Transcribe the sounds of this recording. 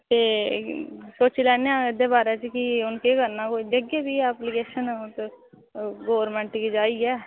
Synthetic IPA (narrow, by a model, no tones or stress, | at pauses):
t̪eː | soːt͡ʃilɛːnejãːɪd̪eːbaːɾeːt͡ʃkiʊnkekəɾnaːkoːid̪eɡeːbiːɛːplikeːʃənːt̪ | ɡoːɾmɛ̃ːɳʈkiːd͡ʒaːiːɛː